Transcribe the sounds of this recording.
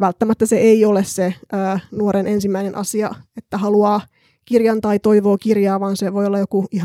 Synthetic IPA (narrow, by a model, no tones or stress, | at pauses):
ʋælt̪ːæmæt̪ːæseeiolesseʔəːnuoɾenʔensimːæinenʔɑ̰siɑet̪ːæhɑluɑː | kirjɑnt̪ɑit̪oiʋoːkirjɑːʋɑːnseʋoiolːɑjokuihɑ